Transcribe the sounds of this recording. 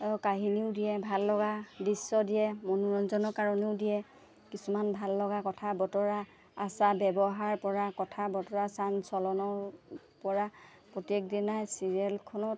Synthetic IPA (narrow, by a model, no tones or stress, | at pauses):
kaɦiniʊdijɛbʱalːɔɡadisːɔdijɛmɔnuɹɔnzɔnɔkaɹɔniʊdijɛ | kisumanbʱalːɔɡakɔtʰabɔtɔɹaː | sabɛbɔɦaɹpɔɹakɔtʰabɔtɔɹasansɔlɔnɔɹ | pɔɹa | pɹɔtiek̚dinajsiɹiɛlkʰɔnɔt̚